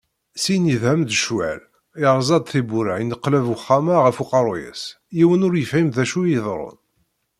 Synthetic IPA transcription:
siniðhæmd̪əʃwæ̰l | ɪɾˤzˤɑd̪ˤθibuɾaʕinəqːlævəχːamaʁəfuqɑɾˤojə̰s | jiwənʊɾjəfʕimðæʃujəðˤɾˤʊ̰n

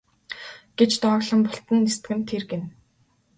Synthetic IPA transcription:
ɡ̥et͡ɕt̪ɔːɣɮə̆mpʊɬt̪ə̆nːist̪ɡɘ̆mt̪ʰerɡen

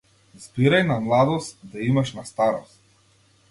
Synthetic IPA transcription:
zbiɾajnamlˠad̪ɔst̪d̪aimaʃnast̪aɾɔst̪̚

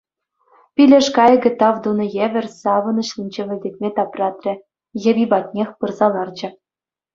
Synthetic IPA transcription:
pʲilʲĕʂkɑjɡʲɘ̆t̪ɑvd̪unɤ̆jevʲɘ̆rʲsɑvɤ̆nɤ̆ɕlʲinʲd͡ʑĕʋʲɘ̆lʲd̪ʲek̚ʲmʲet̪ɑprɑt̪rʲɘ̆ | jɘ̆bʲibɑt̪̚ʲnʲexʲpɯrzɑlˠɑrd͡ʑɘ̆

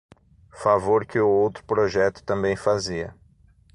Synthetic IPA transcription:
favoɾkɪʊowt̪ɾʊpɾoʒɛt̪ʊ̥t̪ɐ̃mbẽj̃faziɐ

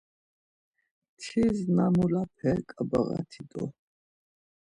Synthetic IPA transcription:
t̪ʰiznamulap̚ʰɛɾkʼabəɣa̰t̪ʰid̪ʼɔ

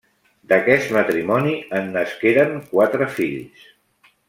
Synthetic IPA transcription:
d̪əkɛst̪mət̪ɾimɔniənːəskeɾəŋkwat̪ɾəfiʎs

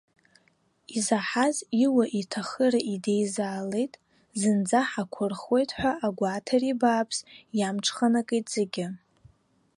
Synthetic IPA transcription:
izaħaziwaʔitʰaχəɾaʔidejzaːlejtʼ | zɨnd͡zaħakʷʰʊrχwe̞jtʼħʷᶣaʔaɡʷatʰaribaːpʰsjamʈ͡ʂʰχanakʼejtʼz̥eɡʲɪ

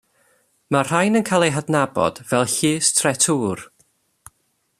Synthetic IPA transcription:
mar̥ajnənkʰalˠejɦadnabɔ̰d̥vɛlˠɬiːstʰrɛtʰuːr

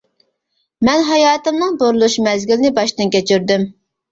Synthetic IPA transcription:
mɛnɦɑjɑːt̪ɨmnɨŋboɾulˠuʃmɛzɡʲylɪnɪbɑʃt̪ɨnkʲʰɛt͡ʃʰyɾd̪ym

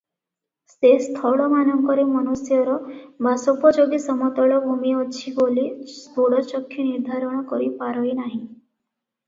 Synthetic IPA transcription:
sest̪ʰɔɭɔmanɔŋkɔɾemɔnusjɔɾɔbʱasɔpɔd͡ʒɔɡisɔmɔt̪ɔɭɔbʱumiɔt͡ʃʰibolid̪ʱoɽɔt͡ʃɔkʰːiniɾd̪ʱaɾɔɽ̃ɔkɔɾipaɾɔinaɦĩ

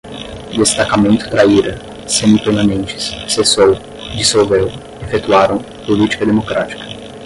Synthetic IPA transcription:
d̪est̪akamẽnt̪ʊ̥t̪ɾaiɾɐ | sẽʊpeɾmãnẽnt͡ʃɪ̥ssesow | d͡ʒisowvew | efet̪uaɾɐ̃w̃ | polit͡ʃi̥kɐd̪emokɾat͡ʃi̥kɐ̥

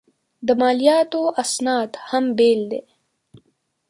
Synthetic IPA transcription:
d̪əmɑːlijɑːt̪oʔasnɑːd̪hambeːld̪eː

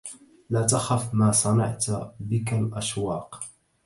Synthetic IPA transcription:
laːt̪axafmaːsˤɑnɑ̰ʕt̪bɪkalʔaʃwɑːq

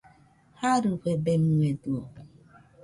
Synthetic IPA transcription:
haɾukʷebemŋeduo

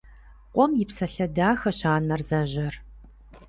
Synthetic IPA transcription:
qʷʼɔmjɪpsɐɬɐdaːxɐɕaːnɐrzɐʑɐr

